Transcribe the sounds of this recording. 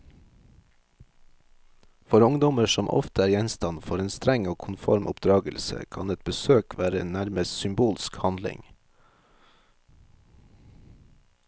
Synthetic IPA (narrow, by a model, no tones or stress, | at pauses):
fɔɾʊŋd̪ɔməʃɔmʔɔ̰ft̪əæːɾjɛnst̪ɑnfɔɾeːnst̪ɾɛŋoːkʰʊnfɔɾmʔʊpd̪ɾɑːɡəlsə̰kʰɑ̰nɛt̪̚bəsøːkʰʋæːɾəḛːnnæɾməssʏmbuːlskhɑnd̪lɪ̰ŋ